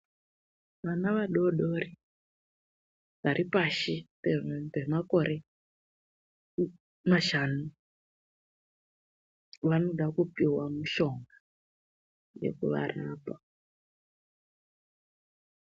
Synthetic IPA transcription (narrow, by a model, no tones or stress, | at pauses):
ʋanaʋaɗoɗoɾi | ʋaɾipaʃitebemakoɾe | maʃanu | ʋanoɗakupiwamuʃoŋɡa | jḛkṵʋa̰ɾapa